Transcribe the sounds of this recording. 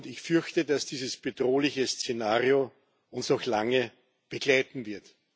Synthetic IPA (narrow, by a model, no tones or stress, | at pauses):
ndɪçfʏɐçtədasd̥iːzəsb̥ədʁoːlɪçəst͡senaːʁio | ʊnsɔxlaŋə | b̥əklaɪtn̩vɪɐt